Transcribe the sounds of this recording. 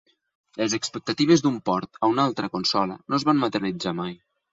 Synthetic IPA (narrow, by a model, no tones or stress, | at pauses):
lezəkspək̚t̪ət̪iβ̞ezd̪umpɔɾt̪əunalˠt̪ɾəkonsɔlə̰nozβanmat̪ərnid͡zamaj